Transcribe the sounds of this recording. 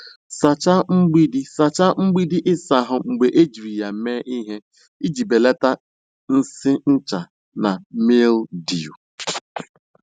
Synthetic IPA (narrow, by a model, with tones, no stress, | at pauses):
sa˨t͡ʃa˦ŋ͡m̩˦ɡ͡bi˦di˦sa˨t͡ʃa˦ŋ͡m̩˦ɡ͡bi˦di˦ʔɪ˦sa˨ɦʊ˨ŋ͡m̩˨ɡ͡be˨ʔe˦d͡ʒi˨ɾi˨ja˨˦meː˦ʔi˦ɦe˦ | i˦d͡ʒi˨be˨le˦ta˦ | n̩˦sɪ˦n̩˦t͡ʃa˨ | na˨me˦ldi˨u˨